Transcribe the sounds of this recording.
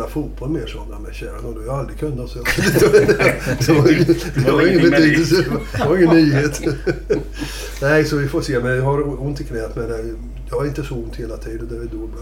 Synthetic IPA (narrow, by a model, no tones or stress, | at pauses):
afuːt̪̚b̥ɔlmeːʂɔmːa̰mɛɕæːɾanɔd̪ɛhjɑald̪ɾɪkʰɵnːasɔjɑd̪ɛɑd̪ɛvɑɾɪŋəd̪ɛvaɾɪŋːənbɛt̪ʰyːd̪əlsəd̪ɛd̪aɾɪŋːənːyːheːt̪ | nɛɪsɔvɪfoːseːmɛnjɑɦaɾʊnt̪ɪkʰnɛːt̪mɛd̪ɛ | jɑhaɾɪnt̪əsɔʊnt̪heːlat̪ʰiːd̪ənd̪æɾvɪd̪oːba